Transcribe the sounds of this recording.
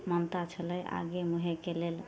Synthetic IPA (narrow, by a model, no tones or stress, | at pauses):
mənt̪at͡ʃʰələjʔa̰ɡemuɦekelel